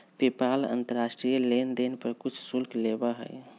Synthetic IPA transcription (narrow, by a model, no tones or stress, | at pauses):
pepalə̰nt̪əɾasʈɾijəlend̪enpəɾkut͡ʃʰsulklebəɦə̰j